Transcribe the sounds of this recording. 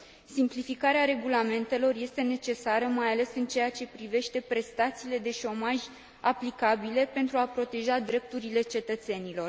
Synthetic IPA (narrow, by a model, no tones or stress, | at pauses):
simplifikaɾeaɾe̞ɡulame̞nt̪e̞lo̞rje̞st̪e̞ne̞t͡ʃe̞saɾəmajale̞sɨnt͡ʃe̞jat͡ʃe̞pɾive̞ʃt̪e̞pɾe̞st̪at̪siːle̞d̪e̞ʃo̞maʒʲ | aplikabile̞pe̞nt̪ɾuapɾo̞t̪e̞ʒad̪ɾe̞p̚t̪uɾile̞t͡ʃe̞t̪ət̪se̞nilo̞r